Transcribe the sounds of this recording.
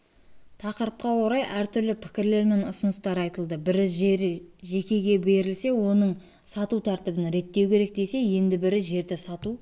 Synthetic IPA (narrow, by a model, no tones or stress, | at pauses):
t̪ʰɑqəɾəp̚qɑwo̞ɾɑjʔæɾt̪ʰʏɾlɪpʰɪ̥kʲɪɾle̞ɾme̞nʊsʊnəst̪ɑɾɑjt̪əlˠd̪əbɪɾɪzʒɪʒe̞kʲe̞ɡʲe̞be̞ɾɪlse̞wo̞nəɴ | sɑt̪ut̪ʰæɾt̪ɪbɪnɾe̞t̪ːe̞wkʲʰe̞ɾe̞k̚d̪e̞jse̞je̞nd̪ɪbɪɾɪzʒe̞ɾd̪ɪsɑt̪u